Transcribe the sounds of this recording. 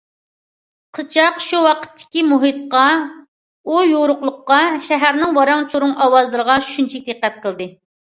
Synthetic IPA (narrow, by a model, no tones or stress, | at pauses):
qʰət͡ʃʰɑqʃuwɑqʰə̥t̪ʰːɪ̥kʲimuɦit̪qɑ | ujoɾʊqlˠʊqːɑʃɛɦæɾnɪŋwɑɾɑŋt͡ʃʰuɾʊŋʔɑwɑzlˠɨɾəʁɑt͡ʃʰy̥ʃynt͡ʃʰɛk̚ʲd̪eqːæt̪̚qʰəlˠd̪ɨ